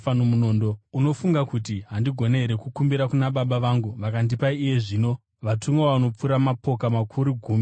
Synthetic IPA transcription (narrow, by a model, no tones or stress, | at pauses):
anomuno̞ːndouno̞fuŋɡakutiɦandiɡʱo̞ne̞ɦeɾe̞kukumbiɾakunaɓaɓaʋaŋɡuʋakandipaiːje̞ʐiːno̞ | ʋatumweaʋano̞p͡fuɾamapo̞kamakʰuɾuɡʱuːmi